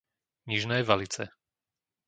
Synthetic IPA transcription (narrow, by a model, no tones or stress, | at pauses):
ɲiʒnɛːʋalit͡sɛ̰